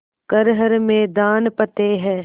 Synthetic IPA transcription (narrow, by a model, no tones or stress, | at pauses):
kəɾɦəɾmẽːd̪aːnpɐt̪eɦɛː